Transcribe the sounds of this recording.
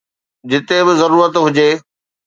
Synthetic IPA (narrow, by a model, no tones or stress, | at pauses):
d͡ʑɪt̪ebɪzɐɾuːɾət̪ɦʊd͡ʑeː